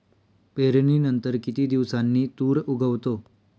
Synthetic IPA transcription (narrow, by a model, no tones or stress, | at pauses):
peɾniːnənt̪əɾkit̪iːd̪iʋsanːiːt̪uːɾuɡʱəʋt̪o